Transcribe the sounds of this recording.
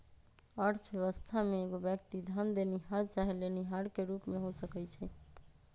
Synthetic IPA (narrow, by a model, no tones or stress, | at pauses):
əɾt̪ʰbjeʋəst̪ʰameːɡobjəkt̪id̪ʱənd̪eniɦaɾt͡ʃaɦileniɦaɽkeɾupmeɦosəkɛt͡ʃʰɛ